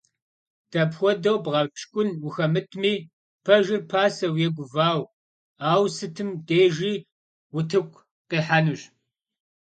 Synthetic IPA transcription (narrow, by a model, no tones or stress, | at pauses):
d̥ɐpxʷɔdɐwbʁɐpʃkʷʼʊnwʊxɐmɨtʰmiː | pʰɐʒɪrpʰaːsɐwjɛɡʷʊvaːw | aːwsɨtʰɨmdeːʒiː | wʊtʰɨkʷʰʼ | qiːħanɨɕ